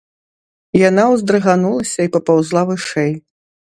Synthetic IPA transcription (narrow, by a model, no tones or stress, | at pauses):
janawzd̪ɾɨɣanulˠɐsʲɐipɐpawzlˠavɨʂɛj